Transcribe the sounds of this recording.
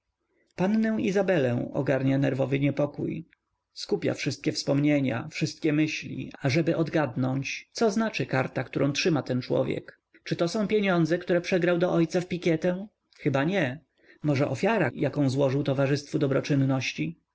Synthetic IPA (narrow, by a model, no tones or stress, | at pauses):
pannɛw̃izabɛlɛ̃w̃ɔ̰ɡaɾɲanɛɾvɔvɘɲɛpɔkṵj | skupʲja̰fʂɘst̪̚kʲɛfspɔmɲeɲa̰fʂɘst̪̚kʲɛmɘɕlʲḭaʐɛbɘʔɔd̪ɡad̪nɔɲt͡ɕt̪sɔznat͡ʂɘkaɾt̪akt̪uɾʔɔ̃tʂɘmat̪ɛnt͡ʂwɔ̰vʲjɛ̰k | t͡ʂɘt̪ɔsɔ̃w̃pʲjeɲɔnd̪zɛkt̪uɾɛpʂɛɡɾawd̪ɔʔɔjt̪safpʲikʲɛt̪ɛ̃ | xɘbaɲɛ | mɔʐɛʔɔfʲjaɾa̰jakɔ̃w̃zwɔʐɘwt̪ɔvaʐɘst̪fud̪ɔbɾɔt͡ʂɘnːɔɕt͡ɕi